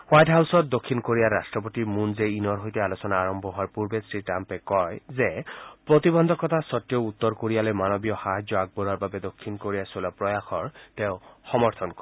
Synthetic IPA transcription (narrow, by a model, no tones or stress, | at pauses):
wajʈɦawsɔt̚d̪okʰːinkoɹijaɾasʈɹɔpot̪imunzeinɔɹɦojt̪ealosɔnaːɹɔmbʱɔɦɔaɹpuɹbesɹiʈampɛkɔjzepɹot̪ibɔnd̪ʱɔkɔt̪asɔt̪ːjɔut̪ːɔɹkoɹijalɔjmanɔbijɔxaɦazjɔaɡ̚bɔɾaɹbabɛd̪okʰːinkoɹijasolapɹɔjaxɔɹt̪eʊ̃xɔmɔɹt̪ʰɔnkɔ